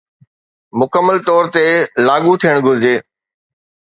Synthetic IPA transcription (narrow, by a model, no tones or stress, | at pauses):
mʊkəmːəlt̪ɔːɾt̪elaːɠut̪ʰijəɽ̃ɡʱʊɾɪd͡ʑeː